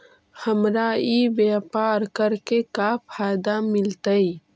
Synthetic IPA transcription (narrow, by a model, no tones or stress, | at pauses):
həmɾaːibeːpaːɾkəɾkekafʰaːjd̪amɪlt̪əi